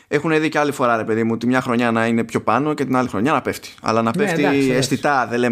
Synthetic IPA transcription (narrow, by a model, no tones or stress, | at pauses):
e̞xuneðiceɐlifo̞ɾɐɾe̞pe̞ðimut̪imɲɐxɾo̞ɲɐnɐine̞pço̞pɐno̞ce̞t̪inɐlixɾo̞ɲɐnɐpe̞ft̪i̥ɐ̰lɐnɐpeft̪iest̪it̪ɐðele